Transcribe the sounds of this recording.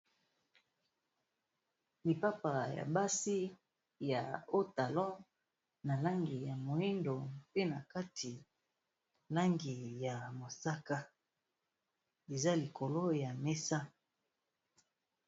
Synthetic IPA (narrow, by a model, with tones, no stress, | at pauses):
li˨pa˦pa˨ja̰˨ba˦si˦ | ja˨o˦ta˨lɔ̃˦ | na˨la˦ŋɡi˨ja˨mo˨i˦ndo˨pe˦na˨ka˦tʰi˨ | la˦ŋɡi˨ja˨mo˨sa˦ka˦ | e˨za˦li˨ko˨lo˦ja˨me˦sa˦